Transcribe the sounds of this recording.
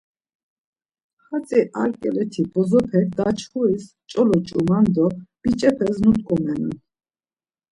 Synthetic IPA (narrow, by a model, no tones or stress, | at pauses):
χat͡sʼiʔaɾkʼɛlɛt̪ʰibɔzɔpʰɛkd̪at͡ʃʰχuis | t͡ʃʼɔlɔt͡ʃʼumand̪ɔb̥it͡ʃʼɛpʰɛznut̪ʼkʼɔmɛnṵn